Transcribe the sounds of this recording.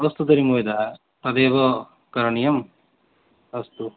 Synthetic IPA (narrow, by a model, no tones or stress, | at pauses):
ɐst̪ud̪ɐɾimoːjd̪aː | t̪ɐd̪eːʋɐ | kɐɾɐɳijɐm | ɐst̪u